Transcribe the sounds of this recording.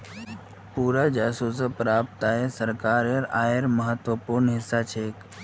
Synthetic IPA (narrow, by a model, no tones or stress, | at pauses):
puːɾad͡ʒaːsuːsəpɾaːp̚t̪aesəɾkaːɾəɾaːjeɾməɦət̪wəpuɾnɦɪsːat͡ʃʰeːk